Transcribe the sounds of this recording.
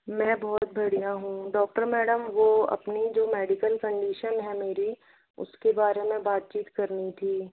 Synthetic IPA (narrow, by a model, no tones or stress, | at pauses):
mɛ̃ːbɔɦt̪̚bɐɽ̤ijãɦũɖɔːk̚ʈəɾmɛːɖəmʋoɐ̰pnid͡ʒoːmɛːɖɪkəlkə̃ɳɖiːʃənɦɛmeːɾi | ʊ̰skebaːɾẽmẽbaːt̪̚t͡ʃiːt̪kɐɾnit̪ʰiː